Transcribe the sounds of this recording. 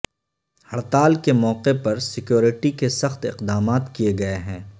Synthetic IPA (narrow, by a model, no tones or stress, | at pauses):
hɐɽt̪aːlkemɔːqepɐɾsɪkjoːɾɪʈikesɐxt̪ɪqd̪aːmaːt̪kijeɡɐeɦɛ̃ː